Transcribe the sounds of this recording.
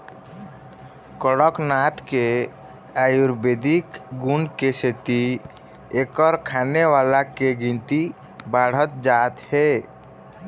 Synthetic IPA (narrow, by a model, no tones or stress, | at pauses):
kəɽəknat̪ke | ajuɾbed̪ʱikɡunkeset̪i | ekəɾkʰaneʋalakeɡĩnt̪i | baɽ̤ət̪̚d͡ʒat̪he